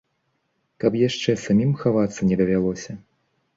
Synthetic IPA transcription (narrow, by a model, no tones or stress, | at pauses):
kɐpjaʂt͡ʂɛsamʲimxavat̪sːɐnʲɛd̪ɐvʲalˠɔsʲɐ